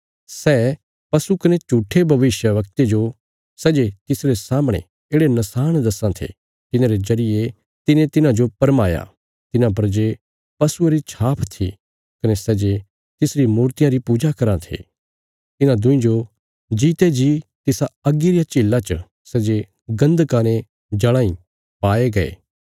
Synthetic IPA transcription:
sɛː | pɐsukɐnet͡ʃuːʈʰːebʱɐʋɪʃjəʋɐkt̪ed͡ʒo | sɛːd͡ʒet̪ɪsɾesaːmɽ̃ḛ̃ | eːɽenɐsaːɽ̃d̪ɐsãt̪ʰḛ | t̪ɪnãɾezɐɾɪje | t̪ɪnẽt̪ɪnãd͡ʒopɐɾmaːja̰ | t̪ɪnãp̬ɐɾd͡ʒeː | pɐsueɾit͡ʃʰaːpʰt̪ʰḭ | kɐnesɛːd͡ʒe | t̪ɪsɾimuːɾt̪ɪjãɾipuːd͡ʒakɐɾãt̪ʰḛː | t̪ɪnãd̪ʊ̃ĩd͡ʒo | d͡ʒiːt̪ed͡ʒit̪ɪsaɐɡiɾɪjat͡ʃiːlːat͡ʃə | sɛːd͡ʒe | ɡɐ̃nd̪kaːñe | d͡ʒɐɭ̃ãːĩ | paːeɡɐḛː

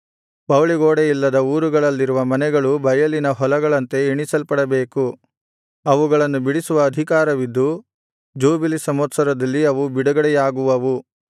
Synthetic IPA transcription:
pɐwliɡoːɽejilːɐd̪ɐuːɾuɡɐɭɐlːiɾuʋɐmɐnɛɡɐɭubɐjɐlinɐɦɔlɐɡɐɭɐnt̪e̞iɳisɐlpɐɽɐbeːku | ɐʋuɡɐɭɐnːubiɽisuʋɐːd̪ʱikaːɾɐʋid̪ːu | d͡ʒuːbilisɐmɐt̪sɐɾɐd̪ɐlːiɐʋubiɽɐɡɐɽɛjaːɡuʋɐʋu

